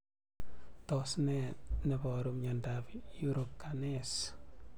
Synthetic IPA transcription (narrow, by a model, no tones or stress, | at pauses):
tosnɛnebɔɾumɲandapjuɾokːanes